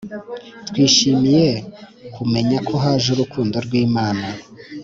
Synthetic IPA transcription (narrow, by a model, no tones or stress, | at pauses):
twiːʃimije̞ | kume̞ɲakʰo̞ɦaʒuɾukʰuːndo̞ɾɡwiːmaːna